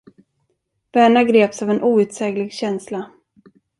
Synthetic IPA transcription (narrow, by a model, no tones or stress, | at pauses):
v̥æːɳaɡɾeːpsavɛnʔuːʉ̟ːt̪sɛːɡlɪɡɕɛnsla